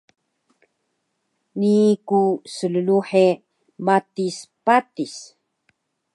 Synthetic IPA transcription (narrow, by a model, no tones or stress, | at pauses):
nikusələluħe | bat̪ispat̪is